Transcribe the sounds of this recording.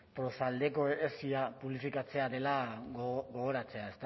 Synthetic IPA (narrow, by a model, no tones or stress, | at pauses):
pɾo̞sald̪e̞ko̞esiapuβlifikat͡se̞aðe̞la | ɡoɣ̞o̞ɾat͡se̞ae̞st̪